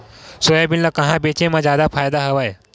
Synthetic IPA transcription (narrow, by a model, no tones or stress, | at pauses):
sojabinlakəɦãbet͡ɕẽmad͡ʑad̪afajd̪aɦəʋaj